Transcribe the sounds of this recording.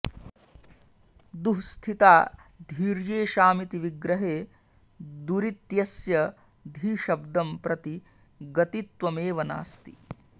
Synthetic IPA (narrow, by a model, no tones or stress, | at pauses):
d̪uɦst̪ʰit̪aːd̪ʱiːɾjeːʃaːmit̪iʋiɡɾɐɦeː | d̪uɾit̪jɐsjɐ | d̪ʱiːʃɐbd̪ɐmpɾɐt̪i | ɡɐt̪it̪ʋɐmeːʋɐna̰ːst̪i